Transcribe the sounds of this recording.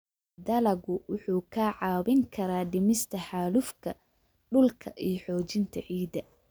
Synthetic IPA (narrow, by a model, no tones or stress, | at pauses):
d̪ɐlɐɣʊwʊħuːkʰaːʕɑːβɪŋkʰɐɾaːɖɪmɪst̪ʰɐħaːlʊfkʰɐ | ɖʊlkʰɐʔijɞħɔːt͡ʃɪnt̪ʰɐ̰ʕiːd̪ɐ